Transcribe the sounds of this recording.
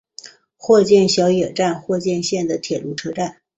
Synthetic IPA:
xwɔ˥˧t͡ɕjɛ˥˩nɕjɑ˧˥ʊjɛ˨˩ʈ͡ʂa˥˧nxwɔ˥˧t͡ɕjɛ˥˧nɕjɛ˥˩nd̪ə˩t̪ʰjɛ˨˩lu˧˥ʈ͡ʂʰɤ˥ʈ͡ʂa˥˩n

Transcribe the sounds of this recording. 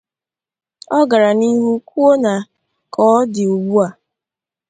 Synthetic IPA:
ɔ˦ɡa˨ɾa˨ni˦ɦu˦ku˦o˦na˨ | kʰɔ˦dɪ˨o˨ɡ͡bu˦a˨

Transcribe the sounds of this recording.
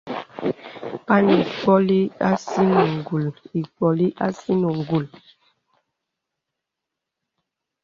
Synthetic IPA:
pa˦ni˨k͡pɔ˦li˦a˦si˦nɔ˨ŋɡu˨li˨k͡pɔ˨li˦ʔa˦si˦nɔ˨ŋ˨ɡu˨l

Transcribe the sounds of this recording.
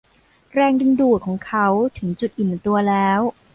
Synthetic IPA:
ɾɛː˧ŋdɯ˧nduː˨˩t̪̚kʰɔː˩˦ŋkʰa˦˥wt̪ʰɯ˩˦ŋt͡ɕu˨˩t̪̚ʔi˨˩m˨˩t̪u˧ɐlɛː˦˥w

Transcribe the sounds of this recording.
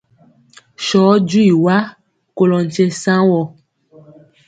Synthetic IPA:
ʃɔ˨˦d͡ʒu˦i˨wa˦ | ko˨lɔ˨n˨t͡ʃe˦sã˦wɔ˨

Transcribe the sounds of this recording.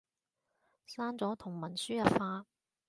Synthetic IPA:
saː˥nt͡sɔː˨˥t̪ʰʊ˨˩ŋmɐ˨˩nsyː˥jɐ˨˥tfaː˧

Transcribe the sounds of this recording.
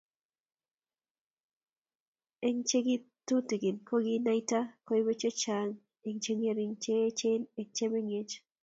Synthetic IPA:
e˦ŋt͡ʃe˦ɡɪ˦t̪u˦ti˨ɡɪ˨nkʰo˦ɡi˦na˦i˦ta˦ko˦i˦we˦t͡ʃo˦t͡ʃa˦ŋ | e˨ŋt͡ʃe˦ŋe˨ɾi˨ŋt͡ʃe˦t͡ʃe˦ne˨ŋt͡ʃe˦me˦ŋe˦t͡ʃ

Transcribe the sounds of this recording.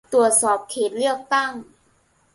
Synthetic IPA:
t̪u˨˩ət̪̚sɔː˨˩p̚kʰeː˨˩t̪̚ɾɯ˥˩ək̚t̪a˥˩ŋ

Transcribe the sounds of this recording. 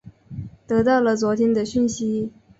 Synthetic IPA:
t̪ɤ˧˥t̪ɑ˥˩ʊlə˩t͡swɔ˧˥t̪ʰjɛ˥ŋd̪ə˨ɕy˥˩nɕi˥

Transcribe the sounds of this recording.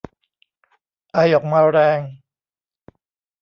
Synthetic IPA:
ʔa˧˩jʔɔː˨˩k̚maː˧ɾɛː˧ŋ

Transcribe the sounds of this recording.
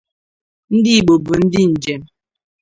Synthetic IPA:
n̩˦di˦˨ɓo˨bə˨n̩˦di˦n̩˨d͡ʒɛ˨m

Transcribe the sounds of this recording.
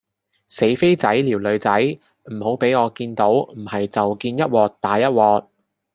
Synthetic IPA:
se˨˥jfe˥jt͡sɐ˨˥jliː˨˩wlɵ˨˧ɥt͡sɐ˨˥j | m̩˨˩ho˨˥wpe˨˥jɔː˨˧kiː˧nt̪o˨˥wm̩˨˩hɐ˨jt͡sɐ˨wkiː˧njɐ˥t̚wɔː˧k̚t̪aː˨˥jɐ˥t̚wɔː˨˧k̚

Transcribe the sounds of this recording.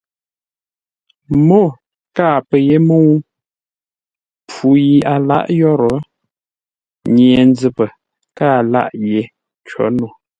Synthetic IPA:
mo˦˨ | kaː˦˨pə˨je˦mə˦wu˦ | p͡fu˨ji˨a˨la̰˦ʔjɔ˦˨ɾɔ˨˦ | ɲ˨ɛ˨n˦d͡zɨ˨pə˨ | kaː˦˨la̰˦˨ʔje˨˦ | t͡ʃɔ̰˨˦nu˨

